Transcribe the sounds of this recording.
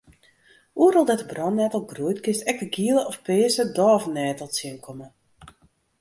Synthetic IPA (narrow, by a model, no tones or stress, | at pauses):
uəɾɔlˠdɛtəbrɔnnɛtəlˠɡruəjtkɪstɛk̚təɡiəlˠəʔɔfpeːəsədɔːvənːɛːtəlˠsiənkʰɔmə